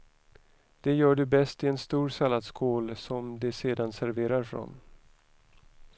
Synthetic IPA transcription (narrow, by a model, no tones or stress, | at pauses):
d̪̥ɛjœːɖɵbɛst̪ɪɛnst̪uːɾsalːad̪skʰoːlsɔmd̪ɛseːd̪ansæɾveːɾaɾfɾɔ̰n